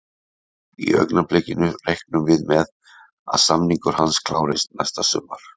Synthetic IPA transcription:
ḭœ̰knaplɛcɪnʏrejhknʏmvɪðmɛð | a̰ðsamniŋkʏɾ̥hanskʰlaːwɾɪst̪nɛst̪asʏmːaɾ̥

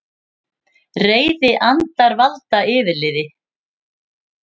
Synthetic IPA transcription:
reːjðɪʔant̪aɾvalt̪aɪːðɪɾlɪːðɪ

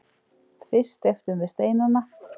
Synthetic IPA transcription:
fɪst̪eft̪ʏmvɪðst̪eːjnanːa

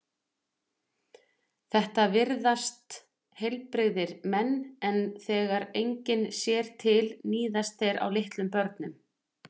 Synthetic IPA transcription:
θɛht̪avɪɾðast̪ | hejlpɾɪɣðɪɾmɛnːɛnθɛːɣaɾejɲcɪnsjɛːɾ̥t̪ʰɪlniːðast̪θejɾa̰wlɪht̪lʏmpœɾt̪nʏm

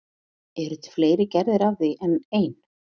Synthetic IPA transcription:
ɛɾʏt̪fleːjɾɪcɛɾðɪɾavðɪʔɛneːjn

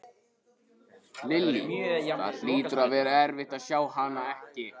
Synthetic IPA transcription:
lɪlːɪ̰a̰ðl̥iːt̪ʏɾaðvɛːɾaɛɾvɪht̪aðsjaːwhanaɛhcɪ

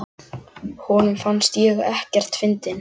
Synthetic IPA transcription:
hɔːnʏmfanst̪jɛːɣɛhcɛr̥t̪fɪnt̪ɪn

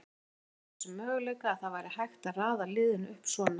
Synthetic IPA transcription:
ɛsʏmːœːɣleːjkaːðθaðvajɾɪhajxt̪aðraːðalɪːðɪnʏhpsvɔːna

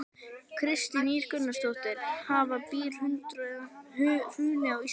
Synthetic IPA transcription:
kʰɾɪst̪ɪniːɾ̥kʏnːast̪owht̪ɪɾ̥havapiːl̥hʏnt̪ɾ | hʏːnɪaɣi

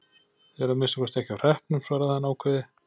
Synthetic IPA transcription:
θɛɾamɪnsḁkvɛst̪ɛhcɪawr̥ɛhpnʏmsvaːɾaðhanaːwkʰvɛðɪ

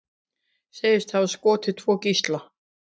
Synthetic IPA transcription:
seːjɪst̪θavaskɔːt̪ʰɪ̥t̪ʰvɔːcist̪la

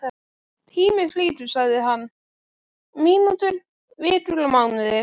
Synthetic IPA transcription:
t̪ʰiːmɪfliːt̪ʏ̥saɣðɪɦanː | miːnut̪ʏɾ | vɪːt̪ʏlamaɣnʏðɪɾ

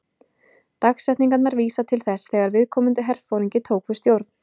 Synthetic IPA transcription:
t̪axsɛjht̪niŋkat̪naɾviːsat̪ʰɪlθɛsθɛːɣaɾvɪðkʰɔːmʏnt̪ʏɦɛɾ̥fowɾiɲcɪt̪ʰoːwkvʏ̥st̪jowɾt̪n̥

